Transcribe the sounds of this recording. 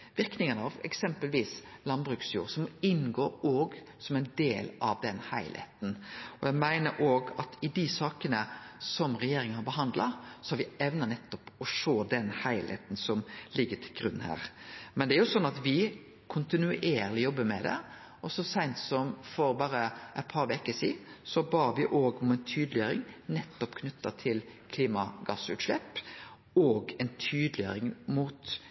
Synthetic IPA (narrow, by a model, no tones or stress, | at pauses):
ʋɪɾknɪŋənɑʋɛ̰ksɛmpəlʋiːslɑnbɾʉːksjṵːɾsɔmːɔɪnɡoːoːɡ | sɔmæɪnd̪eːlɑʋd̪ɛnhæɪlhḛːt̪n̩ɔjæɪmæɪnəɾʔoːɡɑt̪ʰɪd̪isɑːkənəsɔmɾɛjeːɾɪŋənhɑɾbəɦɑnd̪lɑ̰sɔ̥hɑɾʋɪɛʋnɑnɛt̪ːɔpɔʃoːd̪ɛnhæɪlhḛːt̪nsɔmlɪɡːət̪ʰɪlɡɾʉnːhæ̰ːɾmɛnd̪ɛæɾjʊsɔnːɑt̪ʋɪ | kʰʊnt̪ɪnʉʔeːɾlɪjɔbːəmɛd̪ɛ̰ | ɔsɔsæɪnt̪sɔmfɔɾbɑːɾəʔɛɪt̪̚pʰɑːɾʋekəsḭːsɔbɑːʋɪʔoːɡɔmɛɪnt̪ʰyːd̪lɪjøːɾɪ̰ŋnɛt̪ːɔpkʰnʏt̪ːɑt̪ʰɪlkʰliːmɑɡɑsʉ̰ːt̪ʃlɛpː | ɔːɡɛɪnt̪ʰyːd̪lɪjə̰ɾɪŋmuːt̪